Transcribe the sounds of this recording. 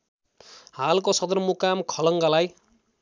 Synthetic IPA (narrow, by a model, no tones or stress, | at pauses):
halkosʌd̪ʌrmukamkʰʌlʌŋɡalaj